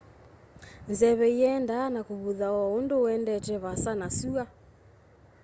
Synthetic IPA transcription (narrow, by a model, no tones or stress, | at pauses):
nzɛβɛiɛndanakuβuðawɔondoɛndɛt͡ʃɛβasanasua